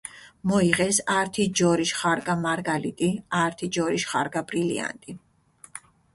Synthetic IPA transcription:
mɔiʁɛsaɾt̪ʰid͡ʒɔɾiʃχaɾɡʼamaɾɡalit̪ʼiaɾt̪ʰid͡ʒɔɾiʃχa̰ɾɡabɾilḭa̰nt̪ʼi

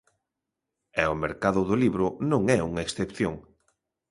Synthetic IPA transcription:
ɛʊmeɾkaðʊðʊliβɾʊnõŋɛuŋɐeksθepθjoŋ

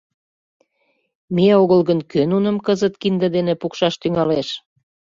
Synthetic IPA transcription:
meoɣəlɣənkønunəmkəzət̪kind̪ə̆d̪enepukʃɑʃt̪yŋɑleʃ

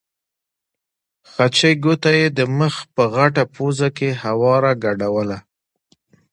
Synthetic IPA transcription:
xat͡ʃəjɡot̪ajed̪əməxpəɣaʈapozakehawɑɾaɡaɖawəla

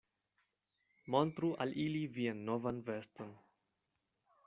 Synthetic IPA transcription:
montɾuʔa̰lʔilivianːo̞vanve̞ston

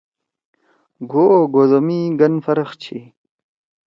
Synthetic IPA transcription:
ɡoːɡozomiɡɐnfɐɾɐxt͡ɕʰi

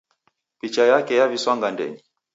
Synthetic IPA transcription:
pit͡ʃajakɛjaviswaŋɡandɛ̰ɲi

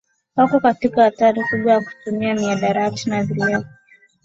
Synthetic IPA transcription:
wakɔkatikaːtaɾikuɓwajaku̥tumiamiaɗaɾatinaðilakɔ

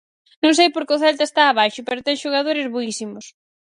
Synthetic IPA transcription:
nõŋs̬ejpoɾkɪʊθɛlt̪ɐest̪aːβ̞ajʃʊpɛɾʊt̪ɛŋʃoɣ̞að̞oɾɪzβoisimʊs

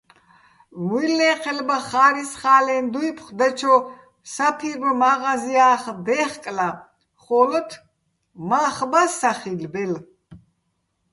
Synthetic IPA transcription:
vilɛːqʰɛlbaχaːɾisχaːlɛnd̪ujpʰχd̪ɛt͡ʃʰɔ | sapʰiɾbmaʁaziaːχd̪ɛːχkʼla | χɔlət̪ʰ | maːχbasːaχilbɛl

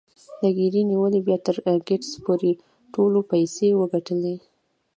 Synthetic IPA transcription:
d̪əɡiɾiniwəlebjɑt̪əɾɡeʈspoɾe | ʈolopajsewəɡaʈəle

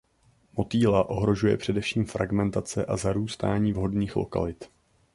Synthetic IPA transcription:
mo̞t̪iːlaʔo̞ɦɾo̞ʒujɛ̰pr̝̥ɛdɛfʃiːmfɾʔaɡmɛnt̪at͡sɛʔazaɾuːst̪aːɲiːvɦo̞dniːxlo̞̰ka̰lɪt̪

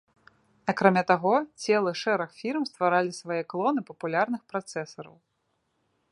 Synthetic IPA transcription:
akɾamʲat̪aɣɔt͡sʲɛlˠɐʂɛɾɐxfʲilmst̪vaɾalʲisvajɛklˠɔnɨpɐpulʲarnɨxpɾat̪sɛsɐɾɐ̰w

